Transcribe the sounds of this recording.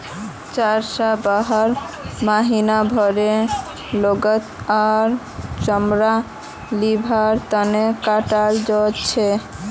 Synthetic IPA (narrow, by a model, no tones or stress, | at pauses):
t͡ɕaɾʃabaɦaɾ | maɦinabʱɔɾe | loɡət̪ | aɾ | t͡ɕɔmɾa | libʱaɾt̪anekaʈaɾd͡ʑot͡ɕʰe